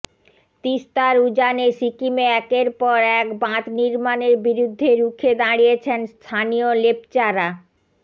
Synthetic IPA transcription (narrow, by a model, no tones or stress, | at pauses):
t̪ist̪aɾud͡ʑaneʃikimeɛkeɾpɔɾɛkbãt̪niɾmaneɾbiɾud̪ʱːeɾukʰed̪aɽijet͡ɕʰenst̪ʰanijolep̚t͡ɕaɾa